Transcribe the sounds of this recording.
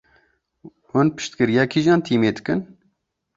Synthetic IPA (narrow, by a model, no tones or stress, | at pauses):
hʊnpɨ̥ʃt̪kɨɾijɑːkʰiʒɑːnt̪ʰiːmeːd̪ɨkɨn